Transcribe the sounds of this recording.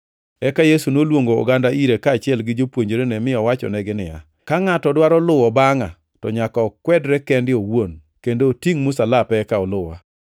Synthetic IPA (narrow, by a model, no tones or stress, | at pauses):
ɛkajesunolwoŋɡo̰ːɡandaiɾekaːt͡ʃɪɛlɡɪd͡ʒopwoɲd͡ʒoɾenɛmɪɔwat͡ʃɔ̰nɛɡɪnɪja̰ | kaŋatɔdwaɾɔlʊwɔbaŋa | tɔɲakɔːkwɛdɾɛkɛndɪowon | kendoːtiŋmʊsalapɛkaɔlʊwa̰